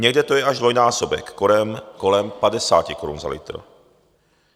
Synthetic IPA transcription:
ɲɛɡdɛt̪ojɛaʒdvojnaːsobɛ̰kːoɾɛmkolɛmpadɛsa̰ːcikoɾṵnza̰lḭt̪ɾo̰

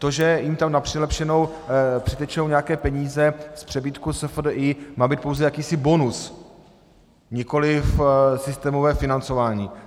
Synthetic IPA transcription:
t̪oʒɛjɪmt̪amnapr̝̥ɪlɛpʃɛno̞wpr̥ɪt̪ɛt͡ʃnowɲɛjakɛːpɛɲiːzɛspr̝̥ɛbiːt̪kusɛfdʔimaːbiːt̪̚po̞wzɛjakiːsɪbo̞nus | ɲɪko̞lɪfsɪst̪ɛːmovɛːfɪnant͡so̞vaːɲiː

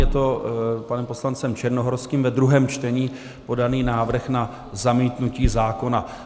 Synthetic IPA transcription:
jɛt̪o̞panɛmpo̞slant͡sɛmt͡ʃɛɾnoɦoɾskiːmvɛd̪ɾuɦɛːmt͡ʃt̪ɛɲiː | po̞daniːnaːvr̩xna | zamiːt̪nuciːzaːko̞na

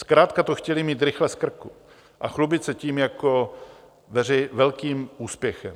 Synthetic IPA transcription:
skɾaːt̪kat̪oxcɛlɪmiːt̪ɾɪxlɛskr̩ku | ʔaxlubɪt̪sɛciːmjako | vɛrɪvɛlkiːmuːspjɛxɛm

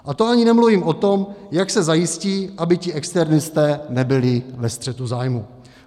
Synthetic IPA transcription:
ʔat̪oaɲɪnɛmluviːmʔo̞t̪o̞mjaksɛzajɪsciːʔabɪcɪʔɛkst̪ɛɾnɪst̪ɛːnɛbɪlɪvɛst̪r̥ɛt̪uzaːjmu

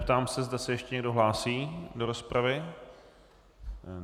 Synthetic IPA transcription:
pt̪aːmsɛzdasɛjɛʃcɛɲɛɡdoɦlaːsiːdo̞ɾospɾavɪ

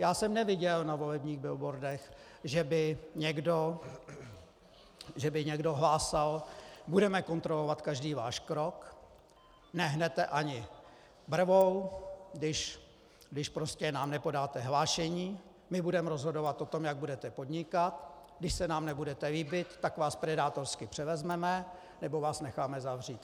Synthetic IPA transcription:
jaːsɛmnɛvɪɟɛlnavo̞lɛbɲiːɣbɪlbo̞ɾdɛx | ʒɛbɪɲɛɡdo | ʒɛbɪɲɛɡdo̞ɦlaːsalbudɛmɛko̞nt̪ɾo̞lo̞vat̪kaʒdiːvaːʃkɾo̞k | nɛɦnɛt̪ɛʔaɲɪ | br̩vowdɪʃ | ɡdɪʃpɾoscɛnaːmnɛpo̞daːt̪ɛɦlaːʃɛɲiː | mɪbudɛmɛɾo̞zɦo̞do̞vat̪ʔo̞t̪o̞mjaɡ̚budɛt̪ɛpo̞d̪ɲɪkat̪ɡdɪʃsɛnaːmnɛbudɛt̪ɛvɪbɪt̪ːakvaːspɾɛdaːt̪o̞ɾskɪpr̝̥ɛvɛzmɛmɛ | nɛbo̞vaːsnɛxaːmɛzavriːt̪

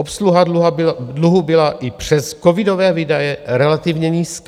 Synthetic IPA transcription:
opsluɦaluɦadluɦubɪlaʔɪpr̝̥ɛsko̞vɪdo̞vɛːviːdajɛɾɛlat̪ɪvɲɛɲiːsk

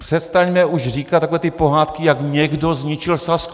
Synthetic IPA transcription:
pr̥ɛst̪aɲmɛʔuʒriːkat̪ːakovɛːt̪ɪpoɦaːt̪kɪjaɡɲɛɡdozɲit͡ʃɪlsask

